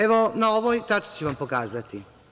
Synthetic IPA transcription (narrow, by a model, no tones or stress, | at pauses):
eʋo̞naoʋojt̪at͡ʂi̥t͡ɕuʋampokaːzat̪i